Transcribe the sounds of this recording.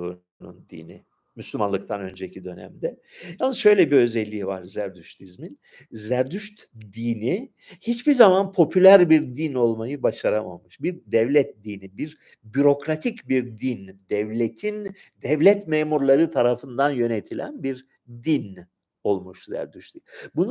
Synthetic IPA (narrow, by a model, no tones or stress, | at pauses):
u | nṵnd̪ḭni | myslʲymanlˠɯkt̪ʰanø̞nd͡ʒecʰid̪ø̞næ̰md̪ɛjalnːɯsʃø̞jlʲɛbiø̞zɛlʲːiːva̰ɾzæɾd̪yʃt̪izmin | zæɾd̪yʃt̪d̪iːni | hit͡ʃbiɾzamanpʰo̞pʰylʲæɾbiɾd̪ino̞lˠmajɯbaʃaɾama̰mɯʃbiɾd̪ɛvlʲɛt̪̚d̪iːnibiɾ | byɾo̞kɾat̪ʰicbiɾd̪ind̪ɛvlʲet̪ʰin | d̪ɛvlʲɛt̪meːmuɾlˠaɾɯt̪ʰaɾafɯnd̪anjø̞net̪ʰilʲæ̰nbiɾ | d̪in | o̞lˠmuʃzæ̰ɾd̪yʃt̪ibunu